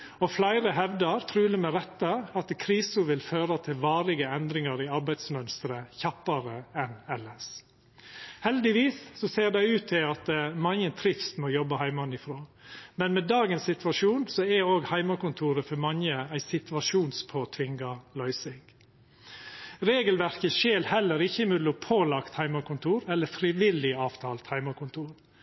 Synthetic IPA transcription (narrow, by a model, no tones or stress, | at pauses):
ɔflæɪɾəɦɛʋd̪ɑɾt̪ʰɾʉːləmɛɾɛt̪ːəɑt̪kʰɾiːsʊʋɪlføːɾɑt̪ʰɪlʋɑːɾlɪɡəɛnd̪ɾɪŋɑɾiɑɾbæɪd̪smœnst̪ɾəçɑpːɑɾəɛnɛlːəs | hɛld̪ɪʋiːssɔseːɾd̪æɪʉːt̪ʰːɪlɑt̪mɑŋənt̪ʰɾɪfst̪mɔjɔbɑhæɪmɑnɪfɾoːmɛnmɛd̪ɑːɡənsːɪt̪ʋɑʂuːnsɔɛoːɡhæɪmɑkʊnt̪ʰuːɾəfɔɾmɑŋəæɪsɪt̪ʋɑʂuːnspʰoːt̪ʰʋɪŋɡɑlœʏsɪŋ | ɾeːɡəlʋæɾkəʃeːlhɛlːəɾɪçəɪmʉd̪ʊpʰoːlɑkt̪hæɪmɑkʰʊnt̪ʰuːɾɛlːəfɾɪʋɪlɪɑːʋt̪ʰɑːlt̪hæɪmɑkʊnt̪ʰuːɾ